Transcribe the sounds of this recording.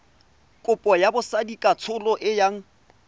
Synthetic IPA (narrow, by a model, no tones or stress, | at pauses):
kʼʊpʼɔjabʊsadikʼat͡sʰʊlɔʔɪjaŋ̩